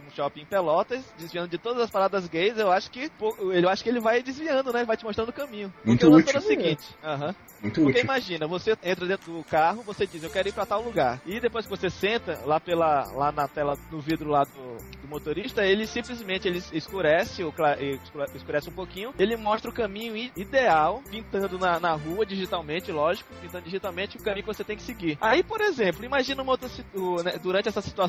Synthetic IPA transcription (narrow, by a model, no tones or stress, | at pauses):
ũʃɔpɪẽpelɔt̪ɐsd͡ʒɪzviɐ̃d̪ʊd͡ʒɪt̪od̪ɐzɐspaɾad̪ɾɐzɡejzewaʃʊ̥kɪpoelɪewaʃʊ̥kɪelɪvajd͡ʒɪzviɐ̃d̪ʊnɛelɪvajt͡ʃɪmoʃt̪ɾɐ̃nd̪ʊkɐ̃mĩɲʊmũt̪ɐ̃ɐ̃foɾɐsiɡĩt͡ʃɪ̥ɐɦɐ̃ | ũj̃t̪ʊɾkeiimaʒĩnɐvoseẽnt̪ɾɐd̪ẽt̪ɾʊd̪ʊkaɦʊvosed͡ʒizewkɛɾʊiɾpɾɐt̪awluɡaɾɪd̪epojs̬kɪvosesẽnt̪ɐlapelɐlanɐt̪ɛlɐnʊvid̪ɾʊlad̪ʊd̪ʊmot̪oɾiʃt̪ɐelɪsĩplizmẽnt͡ʃɪelɪɪskuɾɛsɪʊklaʔɪɛɪskuɾɛsɪũpokĩɲʊelɪmɔʃt̪ɾɐʊkɐ̃mĩɲʊid̪eawpĩnt̪ɐ̃nd̪ʊnɐnɐɦuɐd͡ʒiʒit̪awmẽnt͡ʃɪlɔʒikʊ̥pĩt̪ɐ̃d̪ʊd͡ʒiʒit̪awmẽt͡ʃɪʊkɐmĩɲʊkɪvoset̪ẽj̃kɪ̥sɪɡiɾaipoɾezẽplʊimaʒĩnɐũmɐowt̪ɾɐsiʊnɛd̪uɾɐ̃t͡ʃɪɛsɐsi̥t̪ua